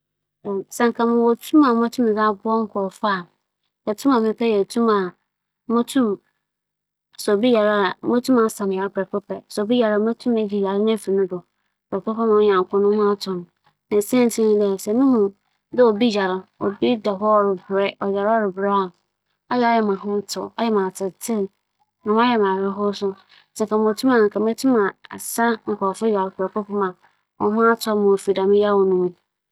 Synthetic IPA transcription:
sã˨ŋ˨kʰã˨mʊ̃˨wɔ˨tʰũ˦mã˨˦mã˦tʰũ˦mɪ̃˨za˦bʊ˦ɔ˦ŋ̩˦kʰɔ˨fa˦˨ | jɛ˨tʰũ˦mã˨mɪ̃˦pʰɛ˦jɛ˨tʰũ˦ma˨˦ | mõ˦tʰũ˦m | sɛ˨o˨bi˦ja˨ɾa˦a˨˦mõ˦tʰũ˦mã˨˦sã˨m˨a˨ɾɪ˦pɾɛ˨kɛ˦pʰɛ˦˨sɛ˨o˨bi˦ja˨ɾa˦˨˦mã˦tʰũ˦mɛ˨d͡ʑi˨ja˨ɾɪ˦n˦ɛ˦˨fi˨nʊ̃˦dʊ˨ | pʰɾɛ˨kɛ˦pɛ˦mã˨˦ɲã˨ŋ˨kʊ̃˦nʊ̃˦hʊ̃˦a˦tʰʊ̃˨n | nã˨sɛ̃˦n˨tʰĩ˦lɛ˨sɛ˨nʊ̃˦hʊ̃˨ | dɪ˦ɔ˨bi˦ja˨ɾɪ˨ɔ˨bi˦da˨ɦɔ˦ɔ˨ɾɪ˨bɾɛ˦ɔ˨ja˨ɾɔ˦˨ɾɪ˨bɾa˦˨ | ɔ˦jɛ˨ɔ˦jɛ˨mã˨ɦʊ̃˦tʰʊ˨ɔ˦jɛ˦mã˨tʰɪ˨tʰɪ̃˦˨n | nã˨m̃˦a˦jɛ˨mã˨ɛ˦ɦʊ˦sʊ˦˨ | sɛ˨ka˨mʊ̃˨tʰũ˦mã˨nʊ̃˨ŋ˨kʰa˨m˦ɛ˦tʰũ˦mã˨a̰˨sa˦ŋ̩˨kʰʷɔ˨fʊ˦ja˨ɾɪ˦kʰʊ˨ɾɛ˨kɔ˦pʰʊ̃˦mã˨ | ɔ˨˦hʊ̃˦a˦tʰɔ˦mã˨o˨fi˨da˨mɪ̃˦ja˦˨wɔ˨nũ˦˨mũ˦

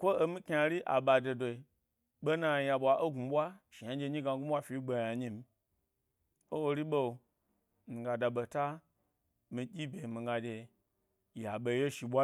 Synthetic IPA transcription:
kʷo˦o˧mi˦kʲa˧˨ɾi˦ʔa̰˨ɓa˨do˨do˨i˨ | ɓo˦na˧ja˧ɓʷa˨ʔo˦ɡu˨ɓʷa˦ʃi˨ja˦d͡ʒe˧˦ɲi˦ɡa˨ɡu˦ɓʷa˦fi˨˦ɡ͡be˨ja˨ɲi˦m˦ | o˦wo˧ɾi˦ɓo˦˨ | mi˨ɡa˨da˨ɓo˨ta˦ | mi˧dʲi˦bʲe˨mi˨ɡa˨dʲe˨ | ja˨ɓo˨˦je˦ʃi˨ɓʷa˦

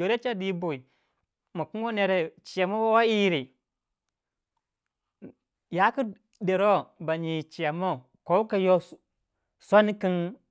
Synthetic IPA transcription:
o˨ɾe˦t͡ʃa˦di˦bo˨i˨ | ma˨ku˦n˦wo˦ne˨ɾe˨t͡ʃi˨ja˨mo˦wa˦wa˦ji˦ɾi˨ | ja˦ku˦ | de˨ɾo˦ba˨ɲi˨t͡ʃi˨a˨mo˦˨ | ko˦u˦ka˦jo˦ | sʷa˦ni˦ki˦n

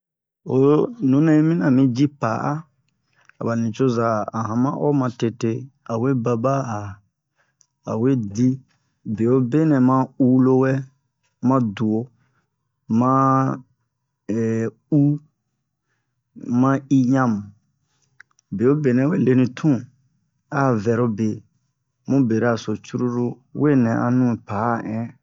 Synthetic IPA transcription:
o˦nũ˨˦nɛ̃˦i˦mĩ˦nã˨mĩ˦d͡ʒi˦pa˨ʔa˦ | a˨ba˨nĩ˨t͡ʃo˦za˨a˨ɦã˨mã˦ʔɔ̰˦mã˧te˨te˦a˨we˦ba˧ba˦a˨ | a̰˨we˦di˦ | be˨o˦be˦nɛ̃˨mã˦u˦lo˦wɛ˦ | mã˦du˨o˨ | mã˦ | ɛ˨ | u˦ | mã˦i˦ɲã˦mũ˨ | be˨o˦be˨nɛ̃˨˦we˦le˦nĩ˨tʰũ˦˨ | a˦˨vɛ˨ɾo˦be˨ | mũ˦be˨ɾa˨so˨t͡ʃu˦ɾu˦ɾu˦ | we˦˨nɛ̃˨ʔa̰˨nũ˦˨pa˨˦˨ʔɛ̃˦

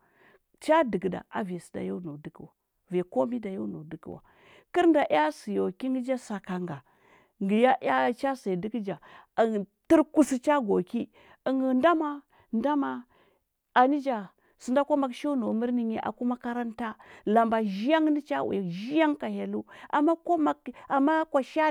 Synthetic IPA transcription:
t͡ʃa˦di˨ɡda̰˨a̰˨ve˨si̥˨da̰˨jo˦no˨di˦kwa˨ | ve˨ko˦mi˦da˨jo˦no˨di˦kḭ˨wa̰˨ | ki˦ɾnda˨ʔa˦si˨jo˨ki˦ŋɡi˦d͡ʒa˦sa˨ka˨ŋɡa˨ | ŋɡi˨ja˦a˦t͡ʃa˦sa˨di˦kd͡ʒa˨ | ti˦ɾku˦si˦t͡ʃa˦ɡo˨ki˦ | ə˨ŋɡə˨nda˦ma˦ | nda˦ma˨ | a˨ni˦d͡ʒa˨ | su˨nda˦ko˦ma˨kʃo˦no˨mi˦ɾni˦ɲe˦ʔa̰˨ku˦ma˦ka˦ɾa˦nta˦la˨mba˨ʒi˦ja˦ŋ˦ni˦t͡ʃa˦wṵ˨ja˨ʒi˦ja˦ŋka˨ha˨lu˦ʔa̰˨mːa˦ko˦ma˨ka˨ma˦kʷa˨ʃa˦

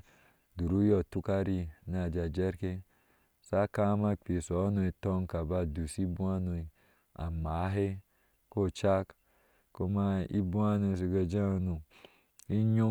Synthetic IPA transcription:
du˨ɾu˦jɔ˨tu˦ka˦ɾi˦n˦a˨d͡ʒa˨d͡ʒe˦ɾke˦ | sa˦ka˦ma˦k͡pi˨sɔ˨˦no˨i˨tɔ˦ŋ˦ka˨ba˦du˨si˦bu˦a˦no˨i˨ | a̰˨ma˨˦ɦe˦ | ko˦˨t͡ʃa˦k | ko˦ma˦ḭ˦bu˦a˦no˨s̬i˨ɡe˨d͡ʒa˦˨nu˨ | i˦ɲo˦

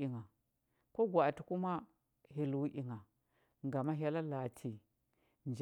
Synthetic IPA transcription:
i˨ŋa˨ | ko˦ɡʷa˨ti˨ku˦ma˦ | ɦi˨lwu˦ʔi˨ŋa˨ | ŋɡa˨ma˦ɦa˦la˦la˨tʰi˨ | nd͡ʒ

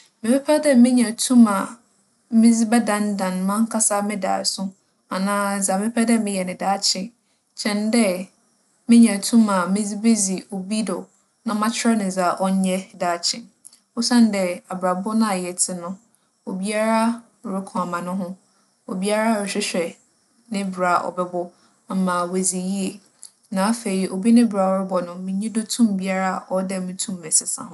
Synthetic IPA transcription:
mɪ̃˨pʰɛ˦pʰɛ˦dɛ˦mɪ̃˦ɲã˨tʰũ˦mã˨ | mɪ̃˦d͡zi˦bɛ˦dã˨ndã˨nmã˦ŋ˦kʰa˦sa˦mɪ̃˦da̰ː˨sʊ̃˦ | a˨nãː˦˨za˨mɪ̃˦pʰɛ˦dɛ˦mɪ̃˦jɛ˨nɪ̃˨daː˨˦t͡ɕʰɪ̃˨ | t͡ɕʰɛ̃˨ndɛ˦ | mɪ̃˦ɲã˨tʰũ˦mã˨mɪ̃˦d͡zi˦be˦zi˨o˨bi˦dɔ˨ | nã˦mã˦t͡ɕʰɪ˦ɛ˦nɪ̃˨za˨ʔɔ˦ɲ˦ɲɛ˦daː˨˦˨t͡ɕʰɪ̃˨ | ɔ˦sã˦n˦dɛ˦a˨bɾa˨bɔ˦nã˦˨a˨jɛ˨tʰɪ˨nʊ̃˦ | o˨bi˦a˦ɾa˦˨ | ɾɪ˦kʰʊ̃˨a˨mã˨nʊ̃˦ɦʊ̃˦ | o̰˨bi˦a˦ɾa˦˨ɪ˨ɕᶣɪ˦ɕᶣɛ˨ | nɪ̃˦bɾa˨ʔɔ̰˨bɛ˦bɔ˦˨ | mã˨we˨zi˨ji˦e˨ | nã˨˦a˦fe˨i˨ʔo˨bi˦nɪ̃˦ba˨ɔ˨˦ɾɪ˦bɔ˨nʊ̃˦mɪ̃˦ɲĩ˦do˦tʰũ˦mbi˦a˦ɾa˦ɔ˦dɛ˦mʊ̃˦tʰũ˦mː˨ɛ̃˨sɪ˨sã̰˨ɦʊ̃˦

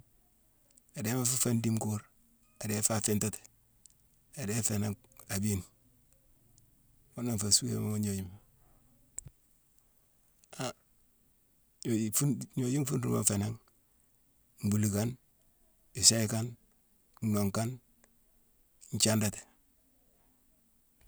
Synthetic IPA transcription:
a˨de˨˦ma˦fu˦fa˦ndi˦mku˦ɾ | a˨de˦fa˦fɪ˦nta˦te̥˨ | a˨de˦fe˨na˦ŋ | a˨bi˦n | o˦na˦ŋfa˨su˦ḛ˨˦ma˦mo˦ɲo˨ji˦ma | a˨ | fu˦nɲo˦ji˦ŋfu˦ndṵ˦ma̰˨fe˨na˦ŋ | m˨bu˨li˨ka˦n | i˨sa˦i˦ka˦n˨ | no˨ŋka˦n | ɲt͡ʃa˦nda˨te̥˨

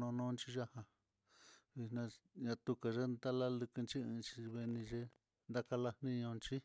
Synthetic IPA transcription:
nõ˧nõ˦˧nt͡ʃi˦ʒa˦hã˧ | βi˧nã˧ɲã˧t̪u˧ka˨ʒe˦nd̪a˦la˦lɨ˧kɨ˧nt͡ʃi˦ɨ̃˧t͡ʃi˧βe˧nĩ˧ʒe˦ | nd̪a˦ka˧la˧hnĩ˦ɲõ˧nt͡ʃi˦

